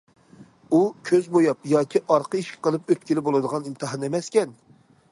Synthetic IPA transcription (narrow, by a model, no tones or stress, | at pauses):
ukʲʰøzbojɑpjɑːkʲʰiʔɑɾqəiʃkʲʰɛ̥qʰəlˠɨpøt̪̚ʲkʲilɪbolˠɨd̪əʁɑnint̪ʰɨɦɑnemɛskʲɛn